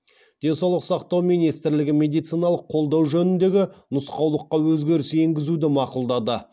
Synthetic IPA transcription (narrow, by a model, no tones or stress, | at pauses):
d̪̥e̞nsɑwlˠəqsɑqt̪ɑwmijnijst̪ɪɾlɪɡʲɪmʲe̞d̪ijt̪sijnɑlˠəqʰːo̞lˠd̪ɑwʒɵnɪnd̪e̞ɡʲɪnʊsqɑwlˠəqːɑwɵzɡʲe̞ɾɪse̞ŋɡʲɪzud̪ɪmɑqʊlˠd̪ɑd̪ə